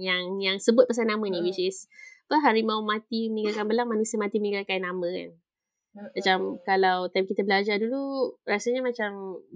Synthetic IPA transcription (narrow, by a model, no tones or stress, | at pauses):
jaŋjaŋsəbʊt̪̚pəs̬anːamə̃niwisispəɦaɾimawmãt̪iməniɡakanbəlaŋmanusiəmat̪imənĩŋɡakanamə̃ka̰n | mat͡ʃamkalawt̪amkit̪əbəlad͡ʒardulurasəɲamat͡ʃam